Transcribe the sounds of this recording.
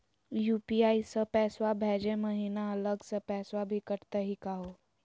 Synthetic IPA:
juːpiaːisəpɛːswabʱɛːd͡ʒẽməɦiːnaɐləɡsəpɛːswabʱikəɾt̪aɦikaɦoː

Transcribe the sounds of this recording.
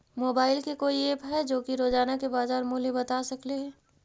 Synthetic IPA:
moːbaːɪlkekoːieːpɦɛd͡ʒoːkiɾoːzaːnakebaːzaːɾmoːlibɐt̪asɐkleɦɛ̃ː

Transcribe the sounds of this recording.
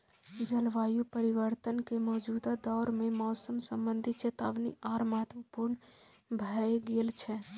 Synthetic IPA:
d͡ʒəlʋajupəɾiʋəɾt̪ənkemɔːd͡ʒud̪ad̪ɔɾmemɔːsəmsəmbənd̪ʱit͡ʃet̪aʋnḭʔaɾməɦət̪ʋəpuɾn | bʱəeɡelt͡ʃʰɛ

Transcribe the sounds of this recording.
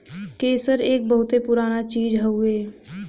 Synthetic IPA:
keːsəɾeːk̚bəɦʊt̪epʊɾaːnat͡ʃiːd͡ʒɦəueː

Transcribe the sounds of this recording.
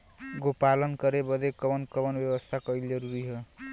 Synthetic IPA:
ɡopalʌnkʌɾebʌd̪ekʌbʌnkʌbʌnbjebʌst̪ʰakʌjld͡ʒʌɾuɾiɦʌ

